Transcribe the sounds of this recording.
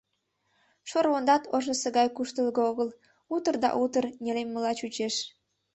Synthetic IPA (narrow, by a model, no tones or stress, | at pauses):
ʃoɾβond̪ɑt̪oʒə̆səɣɑjkuʃt̪əlɣɤoɣəl | ut̪ərd̪ɑ̰ʔut̪ərnʲelemːəlɑt͡ɕut͡ɕeʃ